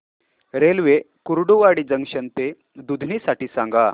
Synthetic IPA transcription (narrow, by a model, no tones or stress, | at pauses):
ɾelʋe | kuɾɖuʋaɽiːd͡zəŋɡɕənt̪e | d̪ud̪ʱniːsaʈiːsãŋɡa